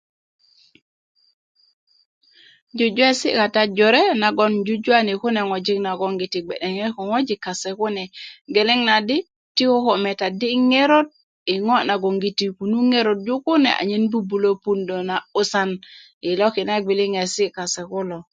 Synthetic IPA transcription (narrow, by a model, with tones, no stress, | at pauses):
d͡ʒu˨d͡ʒwe˦sḭ˦ka˨ta˦d͡ʒɔ˨ɾe˦na˨ɡɔ˦nd͡ʒu˦d͡ʒwa˦ni˨ku˦nɛ˨ŋɔ˨d͡ʒi˦kna˨ɡɔ˨ŋɡi˨ti˨ɡ͡bɛ̰˨ɗɛ˨ŋɛ˦kɔ˨ŋɔ˦d͡ʒi˨kːa˨sɛ˨ku˦nɛ˨ɡe˨lɛ˦ŋna˨di˦ | ti˦ko˦kɔ˨mɛ˨ta˨di˦ŋe˦ɾo˦t̚ | i˨ŋɔ˦na˨ɡo˨ŋɡi˨ti˨ku˨nu˦ŋe˦ɾo˨t̚d͡ʒu˦ku˦nɛ̰˨ʔa̰˨ɲe˦nbu˦bu˨lo˦pu˦ndo˨na˨u˦sa˦n | i˨lɔ˦ki˨na˦ɡ͡bi˨li˦ŋɛ˨si˦ka˨sɛ˨kʊ˦lɔ˨